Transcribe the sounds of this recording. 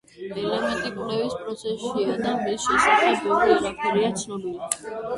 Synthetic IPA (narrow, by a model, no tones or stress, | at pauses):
ɛlɛmɛnt̪ʼipʼlɛvispʼɾɔt̪sʰɛsʃiad̪amisʃɛsaχɛbɔlɛɾapʰɛɾiat̪sʰnɔlili